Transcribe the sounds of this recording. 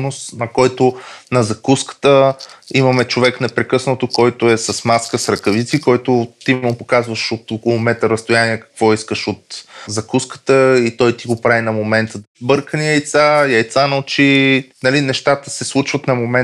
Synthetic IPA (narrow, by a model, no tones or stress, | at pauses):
nosnɐkɔjt̪onɐzɐkuskə̥t̪əimɐmɛt͡ʃovɛknɛpɾɛkɤsnot̪okɔjt̪ʊɛsɐsmaskəsɾɐkɐvit̪sikɔjt̪ot̪imopokazvəʃot̪okolˠomɛt̪ɾɾəst̪ojaniɛkɐ̥kvɔiskəʃot̪zɐkuskə̥t̪əit̪ɔjt̪iɡopɾavinɐmomɛnt̪əbɤɾkəniəjt̪saiɐjt̪sanɐʊt͡ʃinɐlinɛʃt̪at̪əsɛslˠut͡ʃvət̪nɐmomɛ